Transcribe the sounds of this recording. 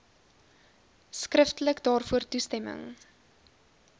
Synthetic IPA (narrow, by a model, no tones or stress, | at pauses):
skrəftələkdɑːrfuərtustɛmə̰ŋ